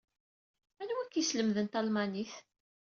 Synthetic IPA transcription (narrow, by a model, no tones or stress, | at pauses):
ænwækːisləmðənt̪ɑlmɑniθ